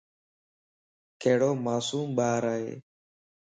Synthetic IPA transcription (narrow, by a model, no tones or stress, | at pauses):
kʰeːɽoːmaːsuːmɓaːɾaːɦḛː